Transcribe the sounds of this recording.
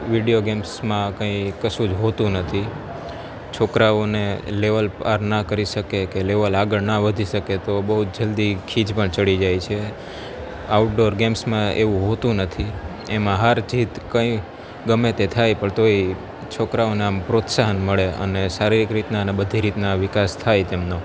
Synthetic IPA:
ʋiɖijoɡemsmãkə̃ĩkəsũd͡ʒɦot̪ũnət̪ʰi | t͡ʃʰokɾaoneleʋəlpaɾnakəɾiʃəkekeleʋəlaɡəɭnaʋəd̪ʱiʃəket̪obəɦut̪̚d͡ʒəld̪ikʰid͡ʒpəɳt͡ʃəɽid͡ʒajt͡ʃʰe | auʈ̚ɖoɾɡemsmãeʋũɦot̪ũnət̪ʰi | emãɦaɾd͡ʒʱit̪kə̃ĩ | ɡəmet̪et̪ʰajpəɳt̪oi | t͡ʃʰokɾaoneampɾot̪saɦənməɭeə̰nesaɾiɾikɾit̪nanebəd̪ʱiɾit̪naʋɪkast̪ʰajt̪emno

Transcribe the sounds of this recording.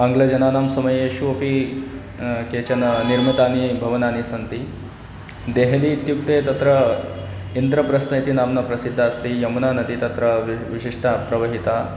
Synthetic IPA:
ɐŋɡlɐd͡ʒɐnaːnaːmsɐmɐjeɕuʋɐpi | ket͡ɕɐnniɾmit̪aːnibʱɐʋɐnaːnisɐnt̪i | d̪eɦlit̪juk̚t̪et̪ɐt̪ɾə | ind̪ɾɐpɾɐsnɐjt̪inaːmnɐpɾɐsid̪ʱːaːst̪ijɐmunanɐd̪it̪ɐt̪ɾɐʋiɕiʂʈʰapɾɐʋɐɦit̪a

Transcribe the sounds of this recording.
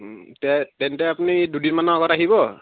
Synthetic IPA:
tɛtɛntɛapunidudinmanaaɡɔtaɦiβɔ

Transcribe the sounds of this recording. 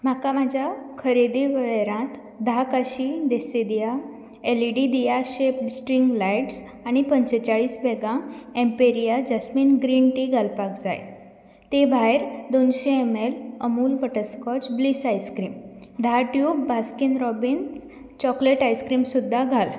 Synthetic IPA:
m̤akamad͡ʑʱjakʰəɾed̪iʋəɭeɾãt̪ | d̪ʱakaɕid̪esed̪ija | eliɖid̪ijaɕepsʈɾiŋɡlajʈs | aɽ̃ipəɲt͡ɕət͡ɕaɭiːsbʱɛɡãempeɾijad͡ʑəsmiːnɡɾinʈiɡʱalpakd͡za̰j | t̪ebʱaeɾd̪onɕeemeləmuːlpəʈəskɔt͡ɕblisajskɾiːmd̪ʱaʈjukbʱaskinɾɔbins | t͡ɕɔkleʈajskɾiːmsud̪ʱːaɡʱal

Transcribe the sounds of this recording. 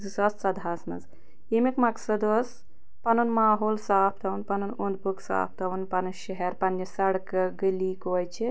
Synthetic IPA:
zɨsɐst͡sɐd̪ʱɦɐsnɐ̰z | emikmɐksɐd̪os | pɐnunmaːɦoːlsaːpʰt̪ʰɐunpɐnunund̪̚buksa̰ːp̚ʰt̪ʰɐʋunpɐnɨʃɐɦɛɾpɐnːisɐɽkɨɡɨlikojt͡ʃʰi

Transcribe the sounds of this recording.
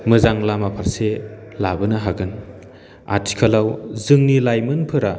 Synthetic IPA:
mɯzaŋlamapʰaɾselabɯnɐɦaɡɯn | a̰tʰi̥kʰalawzɯŋnilajmɯnpʰɯɾa

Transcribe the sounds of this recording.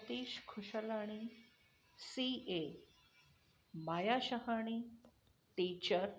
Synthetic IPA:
t̪iːɕkʰuɕəlaɽ̃i | sie | majaɕəɦaɽ̃iː | ʈit͡ɕəɾ

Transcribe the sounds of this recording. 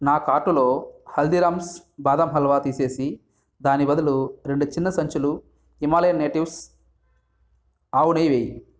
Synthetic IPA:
naːkaːʈulo̞ːhɐld̪iɾaːmsbaːd̪ɐmɦɐlʋaːt̪iːse̞ːsi | d̪aːnibɐd̪uluɾeɳɖut͡ʃinːɐsɐɲt͡ʃulu | imaːlɐjɐnːeːʈiws | aːwunɐjʋeːji

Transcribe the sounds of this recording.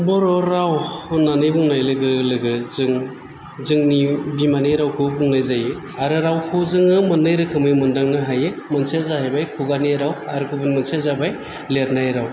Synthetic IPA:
bɔɾɔɾawunanɯjbuŋnajlɯɡɯlɯɡɯzɯŋ | zɯŋnibimaniɾawkʰɯbuŋnajzaje | aɾɯɾawkʰɯzɯŋɯmɯnːɯjɾɯkʰɯmɯjmɯndaŋnɯɦajemɐnsezaɦajbajkʰuɡaniɾawaɾɯkʰubɯnmɯnsezabaj | leɾnajɾaw

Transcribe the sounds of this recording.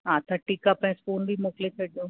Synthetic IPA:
ɦãːt̪ʰaʈikapɐ̃ɪ̃spoːnbʱimoːkɪlet͡ɕʰɐɗijõː

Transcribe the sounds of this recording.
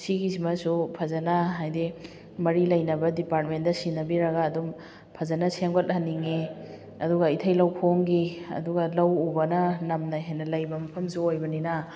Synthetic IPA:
siɡis̬imɐsupʰɐzɐnɐɦajdi | mɐɾilɐjnɐbɐdipaɾt̚mendɐsinːɐbiɾɐɡɐːdum | pʰɐzɐnɐseŋɡothɐnːiŋe | ɐduɡɐitʰɐjlɐwkʰoŋɡiɐ̰duɡɐlɐwubɐnɐnɐmnɐjɦajnɐlɐjbɐmɐpʰɐmsuojbɐninɐ

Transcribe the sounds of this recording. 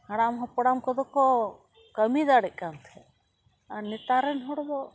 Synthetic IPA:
haɽamɦɔpɔɽamkɔd̪ɔkɔ | kəmid̪aɽɛʔ̚kant̪ʰɛ | anit̪aɾɛnɦɔɽb̪ɔ

